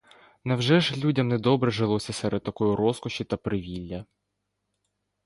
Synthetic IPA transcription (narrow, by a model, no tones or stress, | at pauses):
nɐwʒɛʒlʲudʲɐmnɛd̪ɔbɾɛʒelˠɔsʲɐsɛɾɛd̪̚t̪ɐkɔjʊɾɔskɔʃʲit̪ɐpɾɪʋʲilʲːɐ